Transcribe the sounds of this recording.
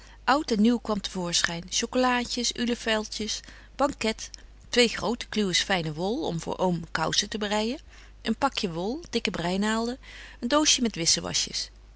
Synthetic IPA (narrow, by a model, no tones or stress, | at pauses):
ʔɑwtɛnːywkʋɑmtəv̥ʊːɹsχɛjnʃowkolaːcəsyləfɛlˠtjəs | b̥ɑŋkɛt | tʋejχrowtə̥klywəsfɛjnəʋɔlˠɔ̰mvʊ̰ːɹʔowmkɑ̰wsətəbərɛjən | ʔənpɑkjəʋɔlˠd̥ɪkəbrɛjnaːlˠdəəndowsəmɛtʋɪsəʋɑ̰ʃə̰s